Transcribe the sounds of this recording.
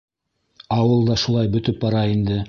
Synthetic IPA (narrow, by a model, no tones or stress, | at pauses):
ɑwɤlˠd̪ɑʃulˠɑjbɵ̆t̪ɵp̚bɑɾɑind̪ɘ